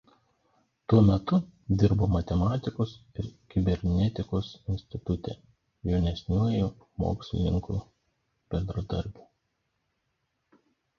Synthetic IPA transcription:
t̪uɔmʲɛt̪ʊd̪ʲɪɾboːmɐt̪ʲɛmɑːt̪ʲɪkoːsɪɾkʲɪbʲɛɾʲnʲɛt̪ʲɪkoːsɪnʲsʲt̪ʲɪt̪ʊt̪ʲɛ̰ˑ | jɛʊnʲɛsʲnʲuɔji | mo̰ːksʲʋʲɪ̰nʲɪ̰ŋkṵ | bʲɛnd̪ɾɐd̪ɐɾʲbʲuː

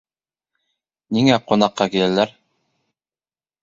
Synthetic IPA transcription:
niŋæqŏnɑqːɑkilælæɾ

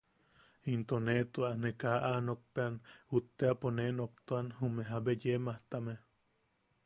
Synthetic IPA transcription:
int̪onet̪uanekaʔanok̚peanut̪ːeaponenok̚t̪oanhumeɦabejemaht̪ame

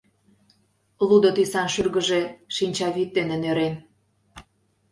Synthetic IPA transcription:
lud̪ot̪isɑnʃyrɣə̆ʒeʃinʲt͡ɕɑβit̪̚d̪enenøɾen

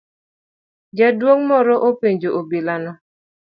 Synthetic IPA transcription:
d͡ʒadwoŋmɔɾɔʔopeɲd͡ʒoʔobilanɔ

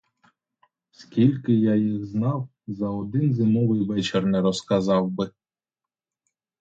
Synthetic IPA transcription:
skʲilʲkɪjajiɣznɑw | zɐɔd̪ɪnzɪnɔʋɪjʋɛt͡ʃɪrnɛɾɔskɐzɑwbɪ

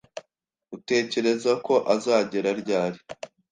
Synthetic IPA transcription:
ɡute̞ːce̞ɾe̞zako̞ʔazaːɟe̞ɾaɾɟaːɾi

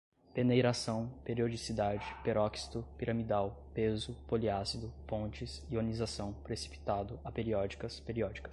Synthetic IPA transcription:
penejɾasɐ̃w̃peɾiod͡ʒisid̪ad͡ʒɪpeɾɔksi̥t̪ʊpiɾɐmid̪aw | pezʊpoliasid̪ʊpõnt͡ʃɪsionizasɐ̃w̃pɾesi̥pi̥t̪ad̪ʊɐpeɾiɔd͡ʒikɐspeɾiɔd͡ʒikɐ̥s

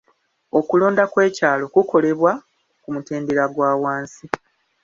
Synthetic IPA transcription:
o̞kulo̞ːndakwe̞ːcaːlo̞kuko̞le̞βwa | kumute̞ːndeɾaɡwaːwaːnsi

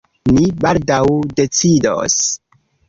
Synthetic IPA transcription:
nibaldawde̞t͡sido̰s

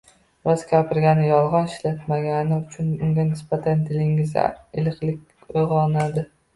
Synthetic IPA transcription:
vazkʲapɪɾɡʲanɪjɒlˠʁɒnɪʃlat̪maɡʲanɪʊt͡ʃʰʊnʊŋɡʲanɪsb̥at̪ʰant̪ʰɪlɪŋɪza̰ɪlɨqlɪkʲ | ojʁɒnad̪ɪ

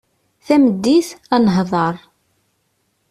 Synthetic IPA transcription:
θæməd̪ːiθænəɦðˤɑɾˤ

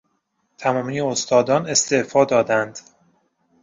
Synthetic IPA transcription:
t̪ʰæmɒːmijeost̪ɒːd̪ɒːne̞st̪e̞fɒːd̪ɒːd̪ænd̪̥

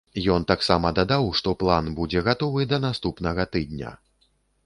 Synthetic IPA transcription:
jɔnt̪aksamɐd̪ad̪awʂt̪ɔplˠanbud͡zʲɛɣat̪ɔvɨd̪ɐnast̪upnɐɣɐt̪ɨd̪̚ʲnʲɐ̰

